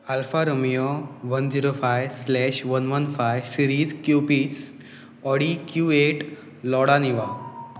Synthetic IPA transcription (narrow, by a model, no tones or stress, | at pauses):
alfaɾomijoʋənd͡ziɾofajslɛɕʋənʋənfajʋsiɾiːd͡zkjupiːs | ɔɽikjueʈ | lɔɽaniʋa